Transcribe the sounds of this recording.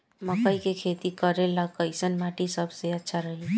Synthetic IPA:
məkəjkekʰet̪ikəɾeləkəɪsənmaʈisəbseətːʃʰaɾəɦe

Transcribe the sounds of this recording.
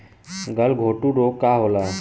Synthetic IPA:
ɡəlɡʱoːʈuɖoːkːaːɦoːlaː

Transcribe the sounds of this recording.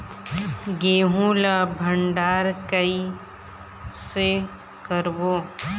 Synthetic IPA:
ɡeːɦũlabʱəɳɖaːɾkəi | se | kəɾboː

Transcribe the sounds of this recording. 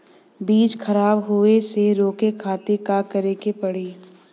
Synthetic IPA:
biːt͡ʃkʰɐɾaːbɦoeseɾoːkekʰaːt̪ekakɐɾeːkepɐɽiː

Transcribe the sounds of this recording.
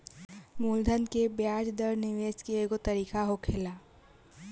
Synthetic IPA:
muːld̪ʱənkebjaːd͡ʒd̪əɾnɪʋeːskeeːɡot̪ɐɾiːkaɦokʰelaː

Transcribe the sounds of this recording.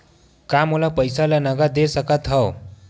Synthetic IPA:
kamolapəjsalanʌɡad̪esəkat̪ʰʌw

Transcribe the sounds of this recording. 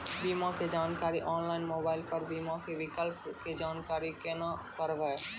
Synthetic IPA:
biːmãked͡ʒaːnkaːɾiʔɔːnlaːɪnmoːbaːɪlpəɾbiːmãkʰeʋɪkəlpked͡ʒaːnkaːɾikeːnãkəɾʋɛ

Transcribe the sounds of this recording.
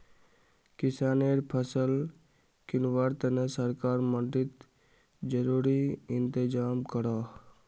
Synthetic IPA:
kɪsaːneɾpʰəsəl | kɪnʋaɾt̪ənəsəɾkaːɾmənt̪ɾɪt̪ | d͡ʒəɾuːɾiɪnt̪ɪd͡ʒaːmkəɾaː

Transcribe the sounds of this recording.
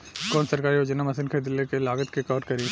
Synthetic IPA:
kɔːnsɐɾkaːɾiod͡ʒɐnamɐsɪnkʰed̪ɪlːekelaːɡət̪kekɔːɖkɐɾẽː

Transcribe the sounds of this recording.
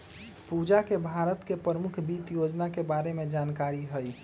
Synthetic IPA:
pud͡ʒakebʱaɾət̪kepɾəɾəmukʰbit̪jod͡ʒnakebaɾemed͡ʒankaɾiɦəj

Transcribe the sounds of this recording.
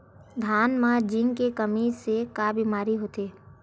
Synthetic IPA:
d̪ʱaːnmãd͡ʒiŋkekəmisekaːbiːmaːɾiɦoːt̪eː

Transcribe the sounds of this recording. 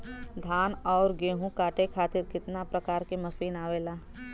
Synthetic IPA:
d̪ʱaːnɔːɾɡeːɦũkaːʈekʰaːt̪ɪɾkɪt̪napɾɐkaːɾkemɐsiːnaːʋeːlaː

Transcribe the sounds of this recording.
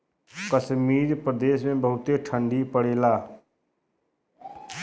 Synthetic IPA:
kəsmiːɾpɾəd̪eːsmẽbəɦʊt̪eʈʰə̃ɳɖipəɽeːlaː

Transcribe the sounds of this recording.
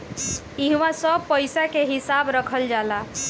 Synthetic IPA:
iɦmãsəbpəjsakeɦisabɾəkʰəld͡ʒala

